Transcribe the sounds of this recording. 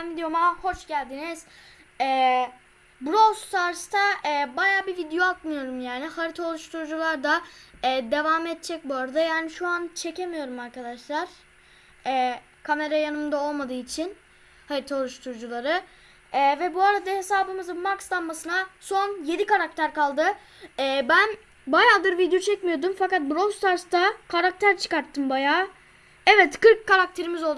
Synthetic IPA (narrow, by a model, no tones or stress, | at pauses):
nvid̪ijo̞maho̞t͡ʃɟælʲd̪iniz̥ | ɛː | bɾost̪ʰaɾst̪ʰaɛːbajaːbivid̪ejo̞ak̪mɯjo̞ɾumjaːnihaɾit̪ʰao̞lˠuʃt̪ʰuɾd͡ʒulˠaɾd̪aɛːd̪e̞vamɛt̪̚t͡ʃʰɛc̚buaɾad̪ajaːniʃuant͡ʃʰe̞ce̞mijo̞ɾumaɾkʰad̪aʃlˠaɾ̥ | ɛː | kʰame̞ɾajanɯmɯd̪ao̞lˠmad̪ɯːit͡ʃʰin | hajiɾt̪ʰaɾuʃt̪ʰuɾd͡ʒulˠaɾɯ | ɛːvɛbuaɾad̪ahe̞saːbɯmɯzɯnmakst̪ˠanmasɯnaso̞nje̞d̪ikaɾak̚t̪ʰæɾkalˠd̪ɯ | ɛːbæn | bajaːd̪ɯɾvid̪jot͡ʃʰɛcmijo̞ɾd̪umfakat̪̚bɾost̪ʰaɾst̪akʰaɾak̚t̪ʰæɾt͡ʃʰɯ̥kaɾt̪ʰːɯmbajaː | ɛvɛt̪kɯɾkʰːaɾak̚t̪ʰe̞ɾimizo̞lˠ